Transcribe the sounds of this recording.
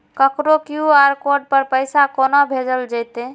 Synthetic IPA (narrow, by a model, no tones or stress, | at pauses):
kəkɾokjuaɾkoɖ̚pəɾpəɪsakonɔbʱed͡ʒəld͡ʒəjt̪e